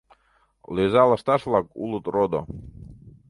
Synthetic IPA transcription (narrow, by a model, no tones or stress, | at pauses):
lezɑləʃt̪ɑʃβlˠɑkṵlət̪rod̪o̰